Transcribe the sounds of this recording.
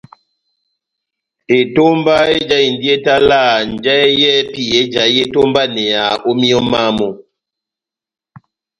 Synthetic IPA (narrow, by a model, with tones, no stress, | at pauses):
e˨to˦mba˦e˦d͡ʒa˦i˨n˨di˦e˦ta˦la˦˨n˨d͡ʒɛ˦jɛ˦pi˨e˦d͡ʒa˨je˦to˦mba˦nɛ˨a˨o˦mi˦ɔ˦ma˦˨mɔ˨